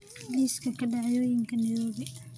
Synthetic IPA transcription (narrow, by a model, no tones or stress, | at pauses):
ɡliskʰɐkʰɐɖɑʕjɔːjɪŋkʰɐnɪðɔːβɛ